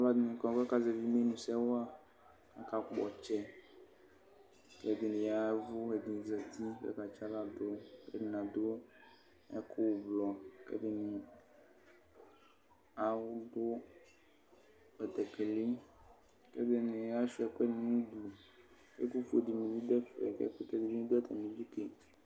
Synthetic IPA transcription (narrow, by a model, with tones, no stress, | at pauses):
a˦va˦d̪ɪ˨nĩ˨kɔ̃˨ke˦ka˦ze˨vi˦me˦nũ˨sɛ˦wo˦a˦ | a˦ka˨k͡pɔ˨t͡ʃɛ˦ | ke˦d̪e˨nĩ˨ja˦vu˦e˨d̪ĩ˨zɛ˨t̪i˦kɛ̰˦ka˨t͡ʃa˦la˦d̪o˦kḛ˦dɪ˨nã˨d̪o˦ | ɛ̰˦ko˦wblɔ˨kɛ̰˦de˨nĩ˨ | a˨wʊ˦dʊ˦ | ɛ˨t̪ɛ˨ke˨li˦ | kḛ˦d̪ɪ˦nẽ˨ja˦ʃu˦ɛ˨˦k͡pɛ˦nĩ˨nũ˦d̪u˨ | kḛ˦ku˦fdi˨mĩ˨li˦d̪ɛ˦fɛ̰˨kɛ̰˦ku˦t̪ɛ˨di˨i˦ĩ˦d̪o˦ɛ˦t̪ʰa˨mĩ˨d͡ʒi˦ke˨